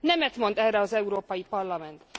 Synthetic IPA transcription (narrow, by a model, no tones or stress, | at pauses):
nɛmɛt̪mo̞nd̪ɛrːɛɒzɛuɾoːpɒjipɒrlɒmɛnt̪